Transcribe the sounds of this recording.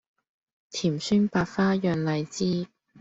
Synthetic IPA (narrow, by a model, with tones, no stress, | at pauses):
t̪ʰiː˨˩msyː˥ŋpaː˧tfaː˥jœː˨˧ŋlɐ˨˧jt͡siː˥